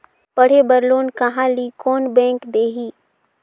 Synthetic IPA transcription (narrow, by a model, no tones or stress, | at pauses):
pɐɽ̤ebəɾloːnkɐɦãlikɔːnbɛ̃ːŋkd̪eːɦiː